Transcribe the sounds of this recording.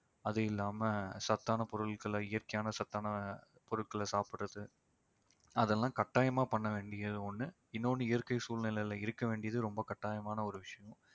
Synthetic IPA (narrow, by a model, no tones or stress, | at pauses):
ɐðɐɪlːaːmɐsɐt̪ːaːnɐpɔɾɯlkɯlɐɪjɐɾkɐjaːnɐsɐt̪ːaːnɐ | pɔɾɯʈkɐlɐsaːpɪʈːɐðɯ | ɐðɛlːãːkɐʈːaːjɐmaːpɐɳːɐʋeːɳɖɪjɐðɯɔnːɯ | ɪnːoːnɯɪjɐɾkɐɪsuːlnɪlɐjɪlɐɪɾɯkːɐʋeːɳɖɪjɐðɯɾɔmbɐkɐʈːaːjɐmaːnɐɔɾɯʋɪʂɐjɐ̃